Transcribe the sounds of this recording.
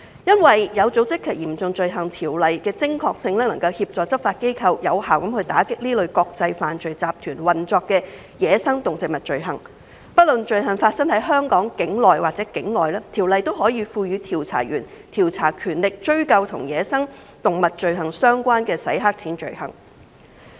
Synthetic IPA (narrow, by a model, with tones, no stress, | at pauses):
jɐ˥nwɐ˨jjɐ˨˧wt͡so˨˥wt͡sɪ˥kʰːɛ˨˩jiː˨˩mt͡sʊ˨˧ŋt͡ʃɵ˧ɥɦɐ˨˩ŋt̪ʰiː˨˩wlɐ˨jkɛː˧t͡sɪ˥ŋkʰɔː˧k̚sɪ˧ŋlɛː˥nɐ˨˩ŋkɐ˧whiː˧p̚t͡ʃɔː˨t͡sɐ˥p̚faː˧t̚ke˥jkʰɐ˧wjɐ˨˧whaː˨˩wkɐ˨˥mhɵ˧ɥt̪aː˨˥kɪ˥k̚liː˥lɵ˨˧ɥkɔː˧k̚t͡sɐ˧jfaː˨nt͡sɵ˨˧ɥt͡saː˧p̚t̪ʰyː˨˩nwɐ˨˩nt͡ʃɔː˧kːɛː˧ | jɛː˨˧sɐ˥ŋt̪ʊ˨˩ŋt͡sɪ˨k̚mɐ˨˩t̚t͡ʃɵ˨˧ɥɦɐ̰˨˩ŋ | pɐ˥t̚lɵ˨nt͡ʃɵ˧ɥɦɐ˨˩nfaː˧t̚sɐ˥ŋhɐ˨˥jɦœː˥ŋkɔː˨˥ŋkɪ˨˥ŋlɔː˨jwaː˨k̚t͡sɛː˨˥kɪ˨˥ŋlɔː˨˩jlɛː˥t̪ʰiː˨˩wlɐ˨jt̪o˥wɦɔː˨˥jiː˨˧fuː˧ɥyː˨˧t̪ʰiː˨˩wt͡sʰa̰ː˨˩ɥyː˨˩nt̪ʰiː˨˩wt͡sʰaː˨˩kʰyː˨˩nlɪ˨k̚t͡ʃɵ˥ɥkɐ˧wt̪ʰʊ˨˩ŋjɛː˨˧sɐ˥ŋ | t̪ʊ˨˩ŋmɐ˨t̚t͡ʃɵ˨ɥɦɐ˨˩ŋsœː˥ŋkʷaː˥nkɛː˧sɐ̰˨˥jɦaː˥k̚t͡sʰiː˨˥nt͡ʃɵ̰˨˧ɥhɐ̰˨˩ŋ